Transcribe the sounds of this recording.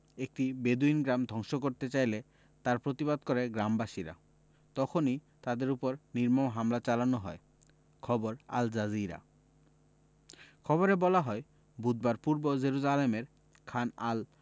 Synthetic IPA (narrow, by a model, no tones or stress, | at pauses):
ek̚ʈibed̪uinɡɾamd̪ʱɔŋʃokoɾt̪et͡ɕajle | t̪aɾpɾot̪ibad̪kɔɾeɡɾambaʃiɾa̰ | t̪ɔkʰoni | t̪ad̪eɾupoɾniɾmoɦamlat͡ɕalanoɦɔe | kʰɔboɾa̰ld͡ʑaziɾa̰ | kʰɔboɾebɔlaɦɔe | bud̪̚baɾpuɾbod͡ʑeɾuzalemeɾ | kʰanal